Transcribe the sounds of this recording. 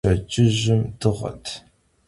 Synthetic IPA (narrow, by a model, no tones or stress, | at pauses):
ɐt͡ʃʼɪʑɪmdɨʁɐ̰tʰ